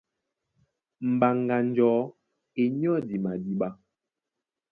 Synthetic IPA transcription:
m̩˨ba˨ŋɡa˨n̩˦d͡ʒɔː˨˦ | e˨ɲ˦ɔ˦˨di˨ma˨di˨ɓa˦

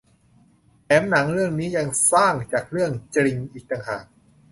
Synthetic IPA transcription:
pɛː˩˦mna˩˦ŋɾɯ˥˩əŋniː˦˥ja˧ŋsaː˥˩ŋt͡ɕaː˨˩k̚ɾɯ˥˩əŋt͡ɕɾi˧ŋʔiː˨˩k̚t̪a˧ŋhaː˨˩k̚

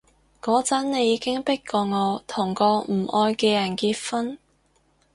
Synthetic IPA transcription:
kɔː˨˧˥t͡sɐ˨˥nne˨˧jiː˨˧kɪ˥ŋpɪ˥kːɔː˧ŋɔː˨˧t̪ʰʊ˨˩ŋkɔː˧m̩˨˩ʔɔː˧jkɛː˧jɐ˨˩nkiː˧t̚fɐ˥n

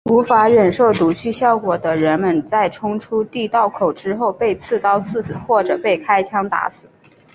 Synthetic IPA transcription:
u˧˥fa˧˥ɻə˨˩nʂo˥˩ʊt̪u˧˥t͡ɕʰy˥˧ɕjɑ˥˩ʊkwɔ˨˩d̪ə˦ɻə˧˥nmə˧nt͡sa˥˩ɪʈ͡ʂʰʊ˥ŋʈ͡ʂʰu˥t̪i˥˧t̪ɑ˥˩ʊkʰo˨˩ʊʈ͡ʂɻ̩˥xo˥˧ʊpe˥˧ɪt͡sʰɹ̩˥˧t̪ɑ˥ʊt͡sʰɹ̩˥˩t͡sɹ̩˨˩˦xwɔ˥˩ʈ͡ʂɤ˨˩pe˥˩ɪkʰa˥ɪt͡ɕʰjɑ˥ŋt̪a̰˧˥sɹ̩˨˩˦

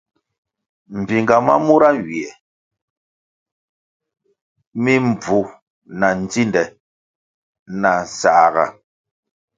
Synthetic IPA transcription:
m̩˨bi˨ŋɡa˨ma̰˦mu˦ɾa˦˨wi˨ɛ˨ | mi˦m˨b͡vu˨ | na˨n̩˨d͡zi˦ndɛ˨ | na˨n˨sa˨ɣa̰˨

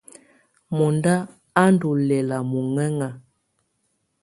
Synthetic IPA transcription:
mɔ˨nda˦ | a˦n˦du˨lɛ˨la˨mu˨ŋɛ˦ŋa˨

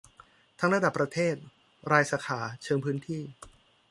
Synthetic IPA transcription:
t̪ʰa˦˥ŋɾa˧da˨˩pːɾa˧t̪ʰeː˥˩t̪̚ | ɾaː˧jsaː˩˦kʰaː˩˦t͡ɕʰɤː˧ŋpʰɯː˦˥nt̪ʰiː˥˩

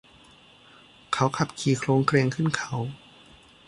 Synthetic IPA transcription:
kʰa˦˥wkʰa˧˩p̚kʰiː˨˩kʰloː˧ŋkɾeː˧ŋkʰɯ˥˩nkʰa˦˥w

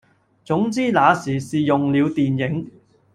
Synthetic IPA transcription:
t͡sʊ˨˥ŋt͡siː˥naː˨˧siː˨˩siː˨jʊ˨ŋliː˨˧wt̪iː˨njɪ˨˥ŋ

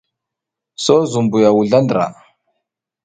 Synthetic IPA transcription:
so˦zu˨mbu˨ja˨wu˨ɮa˦ndɾa̰˨

